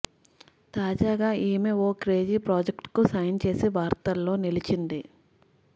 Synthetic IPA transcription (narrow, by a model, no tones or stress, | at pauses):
t̪aːd͡ʒaːɡaːʔiːmeoːkɾe̞ːd͡ʒipɾaːd͡ʒekʈkusajɐnt͡ʃe̞ːsiʋaːɾt̪ɐlːo̞ːnilit͡ʃind̪i